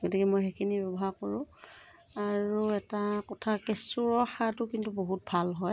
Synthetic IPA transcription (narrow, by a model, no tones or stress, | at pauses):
ɡotikɛmojxekʰinibɛbɔɦaɹkoɹʊ̃ | aɹuɛtakɔtʰakesuɹɔxatʊkintuboɦut̚bʱalɦɔj